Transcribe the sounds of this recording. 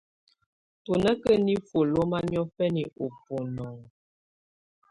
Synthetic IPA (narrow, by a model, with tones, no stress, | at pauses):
to˨nə˦kə˦ni˦fo˨lo˦ma˦ɲɔ˦fɛ˦ni˨ʔo˨pu˨nɔ˨ŋ